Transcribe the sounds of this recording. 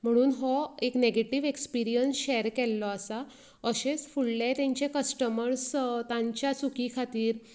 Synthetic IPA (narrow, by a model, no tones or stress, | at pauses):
m̤əɽ̃uːnɦɔekneɡeʈiʋekspiɾijənsɕɛɾkɛlːɔasa | əɕet͡sfuɽlet̪ẽɲt͡ɕekəsʈəməɾst̪ãɲt͡ɕjat͡sukikʰat̪iːɾ